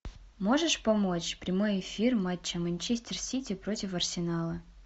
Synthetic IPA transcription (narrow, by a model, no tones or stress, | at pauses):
mo̞ʐɨʂpɐmo̞t͡ɕpɾʲɪmo̞jɪfʲirmatʲːəmɐnʲt͡ɕesʲtʲɪrsʲitʲɪpɾotʲɪfɐrsʲɪnalˠə